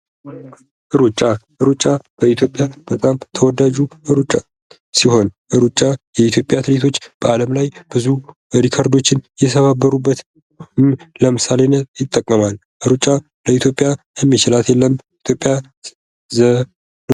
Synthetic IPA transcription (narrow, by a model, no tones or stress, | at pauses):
ʔɨɾut͡ʃʼːaʔɨɾut͡ʃʼab̥əit̪ʰjo̞pʼjab̥ət̪ʼamt̪ʰəwɔd̪ad͡ʒuʔɨɾut͡ʃʼːa | siho̞nʔɨɾut͡ʃʼːajɛit̪ʰjo̞pʼjat̪ʰɨɾet̪ʰo̞t͡ʃːb̥əaləmlajb̥ɨzu | ɾikʰaɾd̪o̞t͡ʃːɪnjɛsəβabːəɾubːət̪ | mləmɨsalenːəjɪt̪ʼːəkʼːəmal | ʔɨɾut͡ʃʼa | ləit̪ʰjo̞pʼjajɛmːit͡ʃɪlat̪jɛlːəmit̪ʰjo̞pʼja | zə